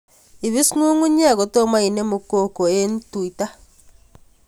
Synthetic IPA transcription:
i˨βi˦sŋu˦ŋu˦ɲi˦a˦˨ɣo˨to˦ma˦i˨ne˦mu˨ko˦ko˨e˦n˦tu˨i˨ta˦

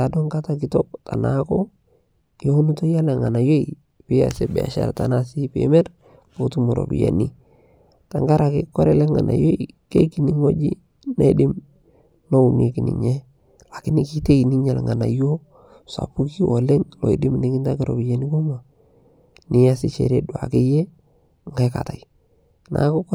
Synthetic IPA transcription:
a˨do˦ŋka˦ta˨k̬ɪ˨to˦k̚ta˨nako˦ | jo˦nu˦to˦ja˦lɛ˨ŋa˨na˨jo˦i˨ | pɪ˦a̰˨se˨bɛ̰˨a̰˨ʃa̰˨ɾta˨na˦si˦pḛ˨mɛ˦ɾ | b̥o˨tu˦mu˨ɾo̰˨bḭ˨ja̰˨ni˦ | ta˨ŋɡa˦ɾa˨kɪ˦kːɔ˦ɾɛ˦lɛ˦ŋa̰˨na̰˨jo˦i˨ke˦ki˨ni˦ŋo˦d͡ʒḭ˦ | na̰˦dɪ˦m | no˦u˨ne˨ki˨nḭ˨ɲɛ˦ | la˨kɪ˦nɪ˨ki˦te˦i˨ni˦ɲa˨lŋa˨na˨jo˦ | sa̰˨pu˦ki˦ʔo˨le˦ŋlɔ˨i˨dɪ˦mnɪ˨˦kɪ˦nta˦kɪ˦ɾo̰˨bi˨ja˨ni˦ko˦ma˨ | nɪ˦ja˦sɪ˦t͡ʃḛ˨ɾe˦dwa̰˨ke˦je˦ | ŋɡa˦ka˨ta˨i | na̰˨˦kʊ˦k

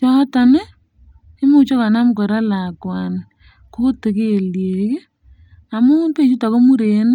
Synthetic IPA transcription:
t͡ʃɔ˦ta˨ne˦ | ɪ˦mo˦t͡ʃo˦ka˨na˦mkɔ˨ɾa˦la˨kwa˨n | ko˦te˨ke˦˨lje˨ke˦ | a˨mu˦pe˦˨t͡ʃu˦ta˨ko˦mu˦ɾe˨˦n˦

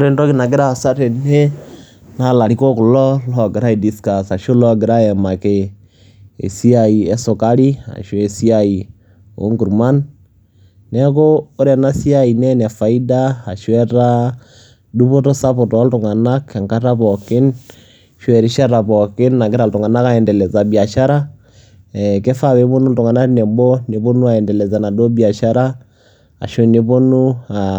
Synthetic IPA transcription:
o˦ɾe˦ntɔ˦ki˦na˨ɡɪ˦ɾa˦˨sa˦te˨ne˦ | na˦la˨ɾi˦kɔ˦kʊ˨lɔ˦lɔ˨ɡɪ˨ɾa˦i˨di˨ska˨sa˨ʃo˦lɔ˦ɡɪ˨ɾa˦ɛ˨ma˨ke˦ | ḛ˨si˦a˨i˨ɛ˨˦sʊ˨ka˦li˦a̰˨ʃe˨si˦a˦i˨ | o̰˦ŋɡu˨ɾma˦nː | ɛ˦koː˦ɾɛ˨na˦si˦a˦i˨nɛ˦nɛ˨fa˨i˦daː˦˨ʃwɛ˦ta˦ | du˦po˦tɔ˦sa˦pɔ˨tɔ˨˦ltʊ˨ŋa˨na˦kɛ˨ŋka˦ta˦pɔ˨kɪ˦n | ʃɛ˨ɾi˦ʃa˦ɾa˨pɔ˨kɪ˦nːa˨ɡɪ˦ɾa˨ltʊ˨ŋa˨na˦ka˨ɛ˨ndɛ˨lɛ˨za˨bi˨a˨ʃa˦ɾa˦ | ɛkɛ˦fa˦˨wɛ˨˦po˦nu˦ltʊ˨ŋa˨na˦tnɛ˨mbɔ˦ne˨po˦nu˦a˨ɛ˨ndɛ˨lɛ˨za˨na˨do˦bi˨a˨ʃa˦ɾa˦ | a̰˨ʃo˦ne˦po˦nu˦a˨

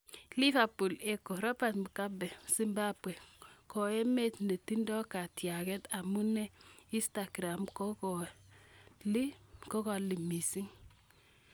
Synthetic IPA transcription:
li˦fa˨pu˨lɛ˦ko˨ɾɔ˦pa˨tmu˨ka˦bɛ˨si˦mba˦pwɛ˨ko˨e˦me˦tne˨ti˦ndɔ˦ka˨tja˨kɛ˦ta˨mu˦nɛ˦i˦sta˨ɡɾa˨mkɔɔ | li˦kɔ˦ka˨li˨mi˨si˦ŋ

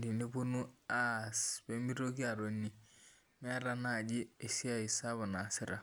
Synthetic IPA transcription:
di˨ni˦bu˦nu˦a˦sbe˦mi˦ɾo˦ɡi˦a˨ɾo˨nːi˨ | mɛ˦ɾa˦na˦˨d͡ʒi˦e˨si˦a˦i˨sa˦βa˨na˨sɪ˦ɾa˨

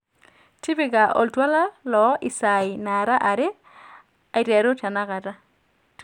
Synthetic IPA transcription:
ti˦bɪ˦˨ɡa˨ʔo̰˨ltwa˦la˦lɔ˨˦ʔɪ˨sa˨ɪ˨na˨ɾa˦ʔa˨ɾɪ˦ | a˨i˨tɛ˨ɾo˦ta˨na˦ka˨ta˦

